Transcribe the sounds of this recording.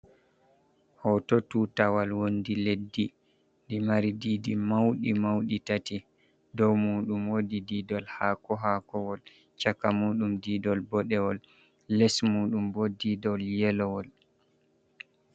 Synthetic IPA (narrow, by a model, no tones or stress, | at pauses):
hɔtotutawalwondiledːi | ndimaɾididimawɗimawɗitati | dɔwmuːɗumwodidiːdɔlhakɔɦakɔwɔl | t͡ʃakːamuːɗumdidɔlbɔɗɛwɔlː | ɛsmuːɗumbɔdidɔljɛlɔwɔl